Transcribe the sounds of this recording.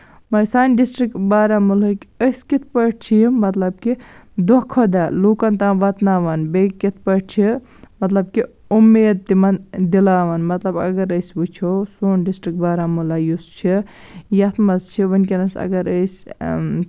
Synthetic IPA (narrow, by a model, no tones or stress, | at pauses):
mɐsaːnɖisʈɾik̚ʈbaːɾamulɐkiəskit̪ʰpɐʈt͡ʃʰimɐt̪lɐb̚kid̪ɔkʰod̪aloːkɐnt̪ãːʋɐt̪naːʋɐnbekit̪̚ʰpɐʈ̚t͡ʃʰi | mɐt̪lɐb̚ki | umːeːd̪̚t̪imɐnd̪ilaːʋɐnmɐt̪lɐbɐ̰ɡɐɾəsbut͡ʃʰowsoːnɖisʈɾik̚baːɾamulajust͡ʃʰi | jɐt̪ʰmɐst͡ʃʰiʋɐnkinɐsɐ̰ɡɐɾəsʲ